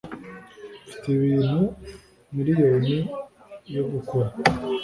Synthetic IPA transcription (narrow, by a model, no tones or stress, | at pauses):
fi̥teβiːn̥hu | miɾijoːni | joɡukuɾa